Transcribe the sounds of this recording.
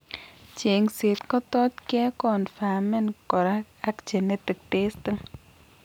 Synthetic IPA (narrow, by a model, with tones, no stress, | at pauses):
t͡ʃe˨ŋse˨t̪kɔ˦t̪ɔ˦t͡ʃkɛ˦kɔ˨nfa˨mɛ˦nkɔ˨ɾa˦ | a˦kt͡ʃɛ˨ne˦t̪i˨k̚te˦st̪ə˦ŋ